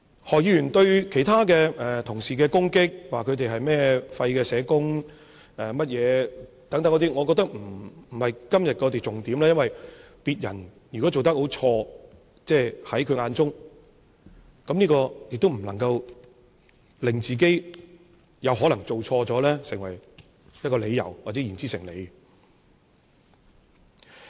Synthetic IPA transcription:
hɔː˨k̚jiː˨˧jyː˨˩nt̪ɵ˧ɥkʰe˨˩jt̪ʰaː˥kɛː˧ɛː˨t̪ʰʊ˨˩ŋsiː˨kɛː˧kʊ˥ŋkɪ˥k̚waː˨kʰɵ˨˧ɥt̪e˨jɦɐ˨jmɛː˥fɐ˧jkɛː˧sɛː˨˧kʊ˥ŋ | ɛː˨˩mɐ˥t̚jɛː˨˧ | t̪ɐ˨˥ŋt̪ɐ˨˥ŋkɔː˨˧˥i˥ŋɔː˨˧kɔː˧t̪ɐ˥k̚m̩˨˩˨hɐ˨jkɐ˥mjɐ˨t̚kɔː˧t̪e˨jt͡sʊ˨ŋt̪iː˨˥mlɛː˥jɐ˥nwɐ˨j | piː˨t̚jɐ̰˨˩n | jyː˨˩kɔ˨˦˥t͡so˨wt̪ɐ˥k̚ho˨˥wt͡ʃʰɔː˧ | t͡sɛː˥˩hɐ˨˥jkʰŋaː˧nt͡sʊ˥ŋ | kɐ˨˧mniː˥kɔː˧jɪ˨k̚t̪o˥wm̩˨˩lɐ˨˩ŋkɐ˧w | lɪ˨ŋt͡siː˨˩k̬e˥j | jɐ˨˧wɦɔː˨˥lɐ˨˩ŋt͡so˨wt͡ʃʰɔː˧t͡sɔː˨˥lɛː˥sɪ˨˩ŋwɐ˨˩j | jɐ˥t̚kɔː˧le˨˧jːɐ̰˨˩wwaː˨˩t͡sɛ˨˦jiː˨˩nt͡siː˥sɪ˨˩ŋlḛ˨˧j

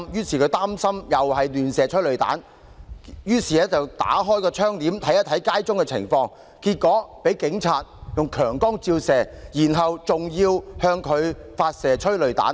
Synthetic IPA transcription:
mjyː˥siː˨˩kʰɵ˨˧˥t̪aː˥msɐ˥mjɐ˨˩whɐ˨jlyː˨nsɛː˨˩t͡ʃʰɵ˥lɵ˨ɥt̪a̰ː˨˥n | jyː˥siː˨˩ɛ˦˥t͡sɐ˨wt̪a̰ː˨˥ɦɔː˥jkɔː˧t͡ʃʰœː˥ŋt̪iː˨˥mt̪ʰɐ˨˥jɐ˥t̪ʰːɐ˨˥jkaː˥jt͡sʊ˥ŋkɛ˧t͡sʰɪ̰˨˩ŋfɔː˧ŋ | kiː˧t̚kɔː˨˥pe˨˥jkɪ˨˥ŋt͡sʰaː˧t̚jʊ˨ŋkʰœː˨˩ŋkɔː˥ŋt͡siː˧wsɛː˨˩jiː˨˩nɦɐ˨wt͡sʊ˨ŋjiː˧whœː˧ŋkʰɵ˨˧ɥfaː˧t̚sɛː˨˩t͡ʃʰɵ˥ɥlɵ˨ɥt̪a̰ː˨˥n

